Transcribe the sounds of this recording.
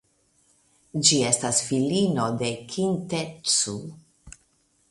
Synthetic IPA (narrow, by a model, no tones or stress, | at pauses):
d͡ʒie̞stasfilino̞de̞kʰint̪et͡su